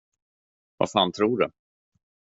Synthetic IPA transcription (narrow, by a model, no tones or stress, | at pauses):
va̰faːnt̪ʰɾuːɖɛ